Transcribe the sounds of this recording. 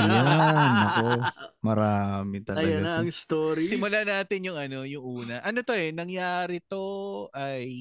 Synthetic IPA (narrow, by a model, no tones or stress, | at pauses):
janɐkomɐɾaːmɪt̪ɐɐjɐɡanɡnɐɐŋst̪oːɾisɪmʊlanaːt̪ɪnjʊŋɐno̞jʊŋʔuːnɐʔɐno̞t̪o̞ʔɛnɐŋjaːɾɪt̪o̞ʔɐj